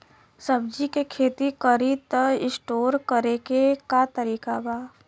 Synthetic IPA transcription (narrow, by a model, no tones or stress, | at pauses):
səbd͡ʒikekʰeːt̪ikəɾit̪əɪsʈoːɾkəɾekekat̪əɾiːkabaː